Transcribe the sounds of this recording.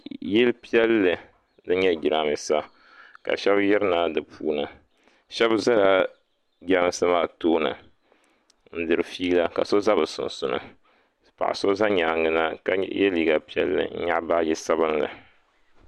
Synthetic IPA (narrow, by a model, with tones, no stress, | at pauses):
jɛ˦lpi˦ɛ˦lːɨ˨ | nɨ˦ɲɛ˦ɡʲi˨ɾa˨mi˨sa˦ | ka̰˨ʃɛ˦bjɛ˦ɾɨ˦naː˦dɨ˨pʰṵː˦nɨ˨ | ʃɛ˦bza˦la˦ | ɡɾa˦m˨sa˦maː˦˨toː˦nɨ̰˨ | n̩˦dɨ˨ɾɨ˨fiː˦la˦ka̰˨so˦za˦bɨ˨sʊ̰˨nsʊ˨nɨ̰˨ | pa̰˨ʔa̰˨so˦za˦ɲa˨ŋɨ˦na˦ka˦jɛ̰˦liː˨˦ɡa˨pi˦ɛ˦lːɨ̰˨n̩̰˦ɲa˦ʔba˦ji˦sa˦bɨ˦nlɨ̰˨